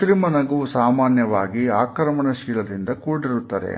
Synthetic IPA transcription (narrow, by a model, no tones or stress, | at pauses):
ɾimɐnɐɡuusaːmaːnjɐʋaːɡiaːkɾɐmɐɳɐʃiːlɐd̪ind̪ɐkuːɽiɾut̪ːɐd̪ḛ